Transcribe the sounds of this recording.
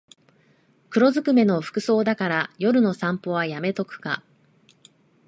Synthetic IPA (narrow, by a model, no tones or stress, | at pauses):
kɯ̟ɾo̞zɨkɯ̟me̞no̞ɸɯ̟̥kɯ̟so̞ːd̪akaɾajo̞ɾɯ̟no̞sãmpo̞βajame̞t̪o̞kɯ̟̥ka̰